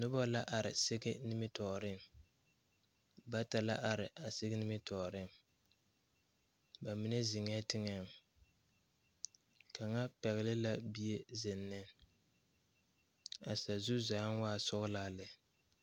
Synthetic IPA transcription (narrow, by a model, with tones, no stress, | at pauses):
nʊ˦bɔ˦la˦ʔa˨ɾɪ˨sɪ˦ɡɪ˦nɪ˦mɪ˦tɔː˨ɾɪ˦˨ | ba˦ta˨la˦ʔa˨ɾɪ˨ʔa˨sɪ˦ɡɪ˦nɪ˦mɪ˦tɔː˨ɾɪ˦˨ŋ | ba˨mi˦nɛ˦zɪ˨ŋɛ˦tɪ˦ŋɛ˦˨m | kʰa˨ŋa˦pɛ˨ɣɪ˨lɪ˦la˦bi˦e˦zɪ˨nːɪ˦ | a˨sa˨zu˦zaː˨˦nwaː˦˨sʊ˦ɣla˦lɪ˨